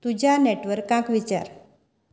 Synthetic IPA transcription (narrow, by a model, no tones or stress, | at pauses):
t̪ud͡ʑʱaneʈʋəɾkːãkʋit͡ɕa̰ɾ